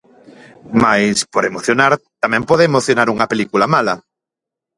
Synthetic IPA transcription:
majspoɾemoθjonaɾt̪amɛ̃mpɔðeːmoθjonaɾuŋɐpelikulamalɐ

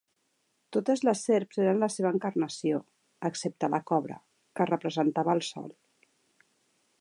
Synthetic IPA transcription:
t̪ot̪əzləseɾpzeɾənləseβ̞əːŋkarnəsio | əksep̚t̪ələkɔβɾə̰ | kərəpɾəzənt̪aβəːlˠsɔ̰lˠ

